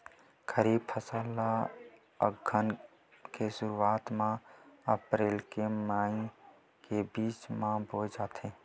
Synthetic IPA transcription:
kʰəɾiːb̚pʰəsaːlːa | ə̰ɡʱən | kesʊɾuaːt̪mãəpɾeːlkemaːĩ | kebiːt͡ʃmãbʱoːd͡ʒaːt̪ʰeː

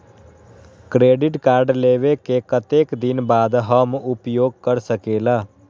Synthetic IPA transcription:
kɾeːɖɪʈkaːɾɖleːʋeːkekət̪eːkd̪ɪnbaːd̪ɦəmʊpjoːɡ̚kəɾsəkeːlaː

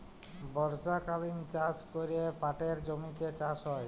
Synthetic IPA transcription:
bɔɾd͡ʑakalint͡ɕat͡ɕkoɾiepaʈeɾd͡ʑomit̪et͡ɕaʃɦɔe

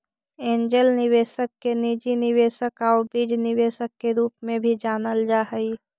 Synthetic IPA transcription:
ẽːɲd͡ʒəlnɪweːsəkːenid͡ʒinɪʋeːsəkaobid͡ʒnɪʋeːsəkːeɾuːpmẽbʱid͡ʒaːnəld͡ʒaːɦəi

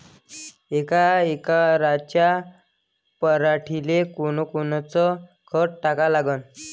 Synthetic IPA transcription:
ekaekaɾat͡ɕja | pəɾaʈʰilekoɽ̃ɔkont͡sɔ | kʰəʈʈakalaɡən

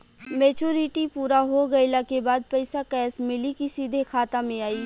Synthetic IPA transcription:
meːt͡ʃuːɾiʈipuːɾaɦoɡɐjlakebaːd̪̚pɐɪsakɛːsmɪlikisiːd̪ʱekʰaːt̪amẽaːiː

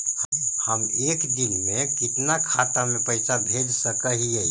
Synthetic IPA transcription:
həmeːkd̪ɪnmẽkɪt̪nakʰaːt̪amẽpəɪsabʱeːd͡ʒsəkəɦiɛ

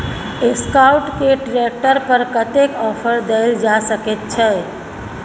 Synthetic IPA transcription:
eskaʊʈkeʈɾek̚ʈəɾpəɾkət̪ekɔpʰəɾd̪eɪld͡ʒasəket̪̚t͡ʃʰɛ

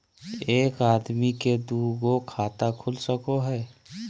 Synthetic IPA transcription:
eːkaːd̪miked̪uɡokʰaːt̪akʰʊlsəkoɦɛː

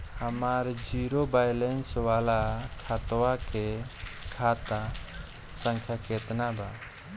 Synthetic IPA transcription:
həmaɾd͡ʒiɾobajlenswalakʰat̪wakekʰat̪a | səŋkʰjaket̪naba

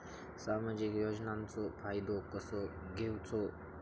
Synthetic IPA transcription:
saːmaːd͡ʒikjod͡ʒnaːmt͡sopʰaːjd̪okəso | ɡewt͡so

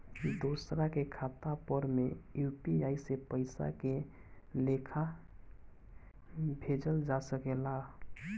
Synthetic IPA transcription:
d̪osɾakekʰat̪apəɾmejupiaisepəɪsa̰kelekʰa | bʱed͡ʒəld͡ʒasəkela

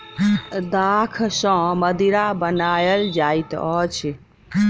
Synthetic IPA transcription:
d̪akʰsɔ̃məd̪iɾabənaːjəld͡ʒaːit̪ɔt͡ʃʰi

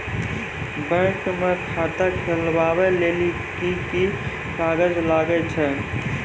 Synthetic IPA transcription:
bə̃kmekʰat̪akʰelʋaweleli | kiki | kaːɡəd͡ʒlaːɡɛt͡ʃʰɛ

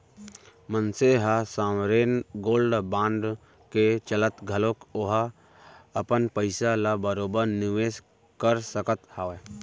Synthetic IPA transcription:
mənseɦasaːmɾeːnɡoːlɖbãːɳɖ | ket͡ʃələt̪ɡʱəlõkoɦa | əpənpəɪsalabəɾoːbəɾnɪʋeːs | kəɾsəkət̪hae

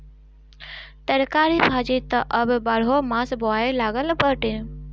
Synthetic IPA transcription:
t̪əɾkaːɾibʱaːd͡ʒit̪ɐʔəbbaɽɦomãːsboaːelaːɡəlbəʈĩ

